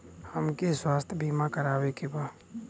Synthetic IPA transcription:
həmkeswaːst̪ʰjbʱiːmakəɾaːwekebaː

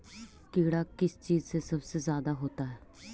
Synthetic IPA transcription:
keːɽaːkɪst͡ʃiːzseːsəbseːzjaːd̪aːɦoːt̪aːɦɛː

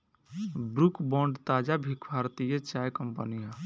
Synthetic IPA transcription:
bɾukbɔ̃ɳɖt̪ad͡ʒabʱikbʱaɾt̪ijət͡ʃajkəmpənija

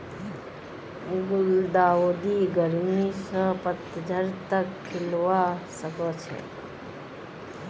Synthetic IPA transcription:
ɡʊld̪aʋod̪iɡəɾmisəpət̪ːəd͡ʒʱəɾt̪əkʰːɪlʋaʃəkot͡ʃʰḛ

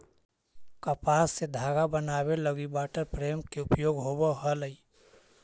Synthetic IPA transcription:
kəpaːsːed̪ʱaːɡabənaːbeləɡibaːʈəɾpɾeːmkeʊpjoːɡɦobəɦələi

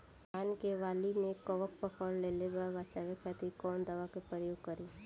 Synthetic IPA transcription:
aːnkeʋaːlimẽkɔʋək̚pɐkʰɔːlleːlebaɾbat͡ʃaːʋekʰɛːt̪ikɔːnd̪əʋakepɾɾəjoːɡkəɾiː

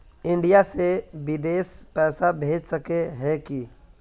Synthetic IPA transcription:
ɪ̃ɳɖijaseʋɪd̪eːspɛːsabʱeːd͡ʒsɐkeɦɛki

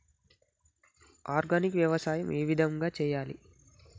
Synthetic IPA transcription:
aːɾɡanikʋjɐʋɐsaːjɐmʔeːʋid̪ʱɐŋɡaːt͡ʃɛːjaːlḭ

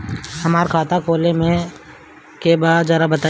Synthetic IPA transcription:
hɐmaːɾkʰaːt̪akoːlemẽ | kebaːd̪zəɾabɐt̪a

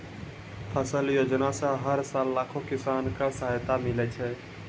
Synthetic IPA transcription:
pʰəsəljod͡ʒnasə̃ɦəɾsalːakʰokɪsankasəɦajt̪amilɛt͡ʃʰɛ

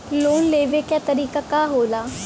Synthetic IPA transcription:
loːnleːʋekat̪ɐɾiːkakaɦoːlaː

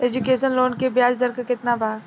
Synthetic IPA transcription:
eːd͡ʒukeːʃənloːnkebjaːd͡ʒd̪əɾkəkɪt̪nabʱaːɡ

